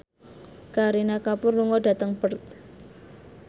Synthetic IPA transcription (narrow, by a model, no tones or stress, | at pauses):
kaɾinakapʊrluŋɔda̤t̪əŋb̥ərt̪̚